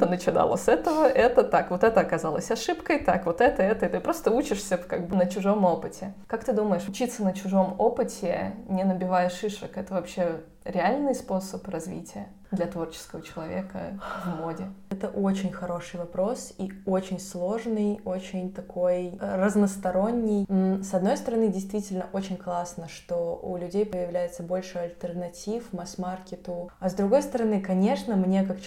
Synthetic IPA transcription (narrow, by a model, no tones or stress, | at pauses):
t̪ənət͡ɕɪna̰lˠə̰sɛt̪əvəʔɛt̪ət̪akvo̞t̪ɛt̪əɐkɐzalˠə̰sʲɐʂɨpkəjt̪a̰kvo̞t̪ɛt̪əɛt̪əit̪ɨpɾo̞st̪əut͡ɕɪʂsʲəkaɡ̚bɨnət͡ɕʊʐo̞mo̞pɨtʲɪkak̚t̪ɨd̪uməjɪʂʊt͡ɕit̪sənət͡ɕʊʐo̞mo̞pɨtʲʰɪnʲɪnəbʲɪvajɪʂɨʂəkɛt̪əvɐpɕːe̞ | ɾʲɪalʲnɨjspo̞səprɐzvʲḭtʲɪjə | d̪lʲɐt̪vo̞rt͡ɕɪ̥skəvət͡ɕɪlˠɐvʲe̞kə̰vmodʲɪɛt̪əʔo̞t͡ɕɪnʲxɐɾo̞ʂɨjvɐpɾo̞siot͡ɕɪnʲslˠo̞ʐnɨjo̞t͡ɕɪnʲt̪ɐkʰo̞jrəznəst̪ɐɾo̞nʲːɪj̩sɐd̪no̞jst̪əɾɐnɨdʲɪjst̪vʲitʲɪlʲnəʔo̞t͡ɕɪnʲklˠasnəʂt̪o̞ṵlʲʉdʲejpəjɪvlʲæjɪt̪səbo̞lʲʂɨɐlʲt̪ʲərnɐtʲifmɐsmarkʲɪt̪ʊɐzd̪ɾʊɡo̞jst̪əɾɐnɨkɐnʲe̞ʂnəmnʲe̞kak